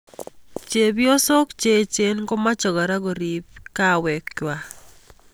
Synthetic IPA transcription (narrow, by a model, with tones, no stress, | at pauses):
t͡ʃe˨bjo˦so˦kt͡ʃe˦t͡ʃe˦nɡo˦ma˦t͡ʃɔ˨ɣa˨ɾa˦ɣɔ˨ɾi˨pka˦wɛ˨kt͡ʃwa˨